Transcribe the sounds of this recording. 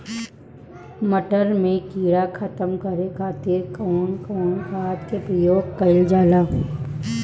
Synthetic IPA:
məʈəɾmẽkiːɽakʰət̪əmkɐɾekʰaːt̪ɪɾkɔːɳkɔːɳkʰaːt̪kepɾəjoːɡ̚kɐɪld͡ʒaːlaː

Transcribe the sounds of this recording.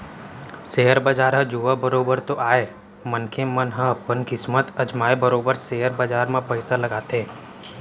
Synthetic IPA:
seːɦəɾbad͡ʒaːɾɦə̃d͡ʒuːʋabəɾoːbəɾt̪oʔaːeː | mənkʰemə̃nɦə̃ɐpːənkɪsmət̪ɐd͡ʒmaːebəɾoːbəɾseːəɾbəd͡ʒaːɾmãpəɪsalɐɡaːt̪ẽː

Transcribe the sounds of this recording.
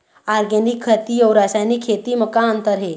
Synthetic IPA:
aɾɡenikʰːət̪iɔːɾaːsajnikʰːeːt̪iməkaənt̪əɾɦe

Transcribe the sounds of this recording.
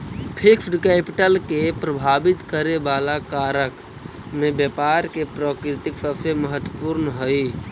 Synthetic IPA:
pʰɪksɖkɛːpɪʈəlkepɾəbʱaːbɪt̪kəɾebaːlakaːɾək | mẽbjəpaːɾkepɾɔːkɾɪt̪ɪksəfʰeməɦət̪wəpuɾnɦəi

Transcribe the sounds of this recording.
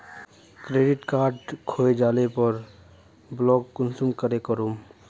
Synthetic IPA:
kɾeːɖɪʈkaːɾɖkʰoːed͡ʒaːlepəɾ | blɔːɡkʊnsumkəɾekəɾum

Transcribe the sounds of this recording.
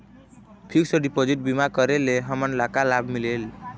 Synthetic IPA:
pʰiksəɖipod͡ʒiʈ̚bimakəɾeleɦəmənlakalabʱmilel

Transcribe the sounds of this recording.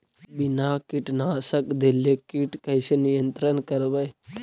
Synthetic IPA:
bɪnaːkɪʈnaːsəkd̪elekiʈkəjsenijənt̪ɾənkəɾbəj

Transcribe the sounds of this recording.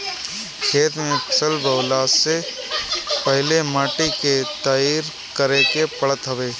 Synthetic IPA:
kʰeːt̪ɾmẽpʰɐsəlbəwlaːse | pəɦɪlemaːʈiket̪aːiːɾ | kəɾekepəɭət̪ɦɐweː

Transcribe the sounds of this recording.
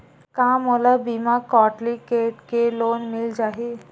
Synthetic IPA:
kaːmolabimakɔːʈlikeːʈkeloːnmɪld͡ʒaːɦi

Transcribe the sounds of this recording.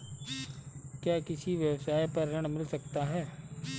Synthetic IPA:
kjaːkɪsiʋjɐwsaːipɐɾːɐɽ̃mɪlsɐkt̪aɦɛː

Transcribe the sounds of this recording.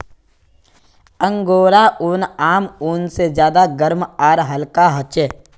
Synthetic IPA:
ə̃ŋɡoːɾaʔʊːnaːmuːnsed͡ʒjaːd̪aɡəɾmaːɾɦɐlkaɦət͡ʃeː

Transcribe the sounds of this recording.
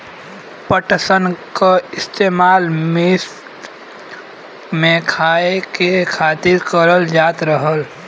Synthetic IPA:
pəʈsənkaɪst̪eːmaːlme | mẽkʰaːekekʰaːt̪ɪɾkəɾəld͡ʒaːt̪ɾəɦəl

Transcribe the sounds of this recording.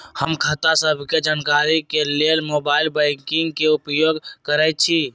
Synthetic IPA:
həmkʰət̪asəbʱked͡ʒaːnkaɾikelelmoːbaːɪlbɛɪŋkiŋɡkeʊpjoːɡkəɾət͡ʃʰi

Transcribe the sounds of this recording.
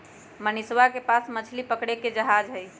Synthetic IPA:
məniswakepasmət͡ʃʰlipəkɽeked͡ʒəɦad͡ʒɦəj

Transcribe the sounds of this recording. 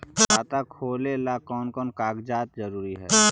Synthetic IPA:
aːt̪akʰoːlelakɔːnkɔːnkaːɡd͡ʒaːt̪zəɾuːɾiɦɛ̰ː

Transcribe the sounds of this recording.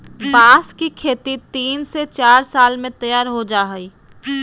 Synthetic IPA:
baːskikʰeːt̪it̪iːnset͡ʃaːɾsaːlmẽt̪ɐjaːɾɦod͡ʒaːɦəiː

